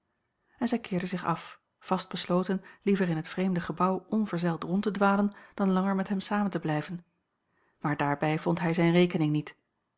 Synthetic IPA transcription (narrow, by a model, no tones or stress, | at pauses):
ɛnzɛjkʰɪːɹdəzɪχɑf | v̥ɑsd̚b̥əsloːtənlivəʁɪnɦətfrejmdəχəbɑwʔɔnvəɹzɛlˠtʁɔntədʋaːlənd̥ɑnlɑŋəɹmɛtɦɛmsaːməntəblɛjvən | maːɹdaːɹbɛjvɔntɦɛjzɛjnʁejkənɪŋnit